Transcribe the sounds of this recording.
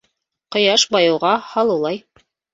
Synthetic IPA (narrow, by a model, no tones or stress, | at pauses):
qŏjɑʃbɑjɤ̆wʁɑhɑlˠɤlˠɑj